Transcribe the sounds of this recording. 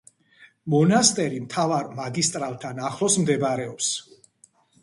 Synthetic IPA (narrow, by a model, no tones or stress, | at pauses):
mɔnast̪ʼɛɾimt̪ʰavaɾmaɡist̪ʼɾalˠt̪ʰanaχlˠɔsmd̪ɛbaɾɛɔps